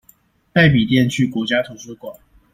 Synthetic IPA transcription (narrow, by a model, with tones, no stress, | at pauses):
t̪a˥˩ɪp̬i˨˩t̪̬jɛ˥˨nt͡ɕʰy˥˩kwɔ˧˥t͡ɕja˥t̪ʰo˧˥ʂɤ˥kwa˨˩n